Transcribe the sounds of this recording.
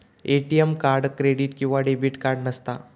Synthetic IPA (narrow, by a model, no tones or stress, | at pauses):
eʈijemkaɾɖkɾeɽiːʈkĩw̃ʋaɖebiːʈkaɾɽnəst̪a